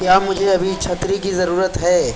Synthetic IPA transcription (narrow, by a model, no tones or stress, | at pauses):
kjaːmʊd͡ʒʱeɐbʱit͡ʃʰɐt̪ɾikizɐɾuːɾət̪ɦɛː